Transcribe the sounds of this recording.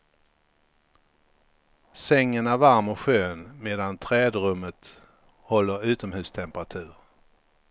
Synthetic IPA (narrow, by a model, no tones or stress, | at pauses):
sɛŋːənæɾvaɾmɔɧøːnmeːd̪ant̪ʰɾɛːd̪ɾɵmːət̪ | hɔlːəɾʉ̟ːt̪ɔmhʉ̟ːst̪ʰɛmpəɾat̪ʰʉ̟ːɾ